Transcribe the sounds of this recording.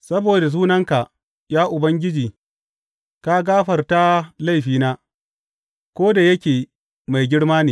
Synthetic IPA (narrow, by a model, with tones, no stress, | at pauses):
sɐ˦boː˨da˨s̬uː˦nɐ˦ŋka˨ʔ | jaː˦ʔʊ˨bɐ˦ŋɡʲɪ˦d͡ʒiː˨ | ka˦ɡaː˦ɸɐ˨rta˦la˦˨jɸiː˨naː˦ | kʷoː˦da˨jɐ˦kʲeː˨ | ma˨jɡʲɪ˦ɽmaː˦neː˨